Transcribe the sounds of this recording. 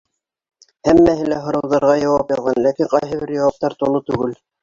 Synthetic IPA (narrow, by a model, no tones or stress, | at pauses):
hæmːæhɘlæɦŏɾɤ̆wðɑɾʁɑjɑwɑpjɑðˠʁɑnlækiqɑjɦɤ̆βɘɾjɑwɑp̚t̪ɑɾt̪ulˠɤt̪ʉɡɘl